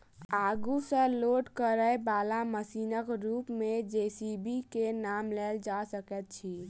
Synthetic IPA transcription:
aɡusə̃loʈkəɾəebalaməsiːnəkɾuːpmed͡ʒesibikenamlɛld͡ʒasəkɛt̪̚t͡ʃʰi

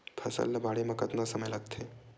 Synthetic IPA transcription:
pʰɐsə̰lːɐbaɽemɐkət̪nasəməjlak̚t̪ʰe

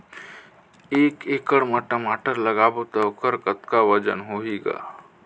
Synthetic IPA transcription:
eːkekəɽməʈəmaʈəɾləɡabot̪əokəɾkət̪kaʋəd͡ʒənɦoɦiɡa̰

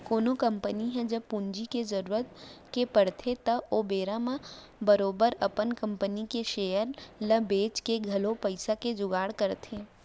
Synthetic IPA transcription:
koːnokɐ̃mpəniɦɛ̃d͡ʒɐbpund͡ʒikezɐɾuːɾət̪̚kepɐɽt̪ʰet̪ɐoːbeːɾamã | bɐɾoːbəɾɐpənkɐ̃mpənikeʃeːjəɾlɐbeːt͡ʃkeɡʱɐlõpɐɪsaked͡ʒʊɡaːɽkɐɾt̪ʰẽ

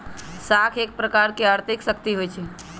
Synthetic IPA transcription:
sakʰek̚pɾəkaɾkeaɾt̪iksəkt̪iɦojt͡ʃʰɛ

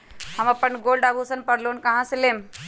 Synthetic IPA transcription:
həmɐpːənɡolɖabʱusənpəɾloːnkɐɦãsilem

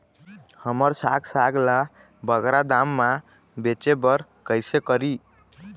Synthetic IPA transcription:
həməɾsaɡsaɡla | bəɡɾad̪amːã | bet͡ʃebəɾ | kəjsekəɾi

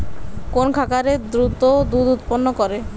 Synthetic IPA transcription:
konkʰakaɾed̪ɾut̪od̪ud̪ut̪ponːokɔɾe

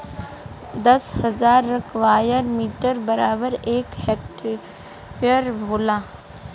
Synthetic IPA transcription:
d̪ɐshɐzaːɾːɐkʰʋaːjəɾmiːʈəɾbəɾaːbəɾeːkhɛːk̚ʈ | pəɾbʱoːlãː

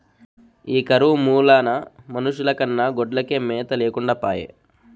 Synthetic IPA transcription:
iːkɐɾumuːlaːnɐmɐnuʂulɐkɐnːɐɡɔɖlɐkeːmɛːt̪ɐleːkuɳɖaːpa̰ːjḛ

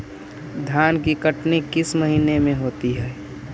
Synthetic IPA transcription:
d̪ʱjaːnkikəʈnikɪsməɦinemẽɦoːt̪iɦɛː

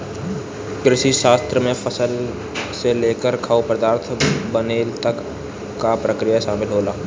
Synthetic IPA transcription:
ɡɾɪʃiʃaːst̪ɾəmẽfʰəsəl | seleːkəɾkʰaːupɾəd̪aːɾt̪ʰbəneːt̪ɐkː | apɾəkɾijaʃaːmɪlɦoːlaː

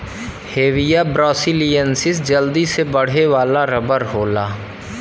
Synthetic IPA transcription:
heːʋijaːbɾɔːsiːlijənsɪsd͡ʒəld̪iːsebəɽ̤eːʋaːlaːɾəbəɾɦoːlaː

